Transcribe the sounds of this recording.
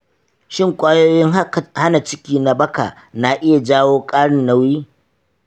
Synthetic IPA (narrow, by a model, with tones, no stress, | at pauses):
ʃɪ˦˨ŋkʷʼaː˦joː˦jɪ˦ŋha˦na˨t͡ʃɪ˦kʲiː˦na˨bɐ˦ka̰˨ | na˨ʔɪ˦ja˨d͡ʒaː˦woː˦kʼaː˦ɽɪ˨nːa˦wjiː˦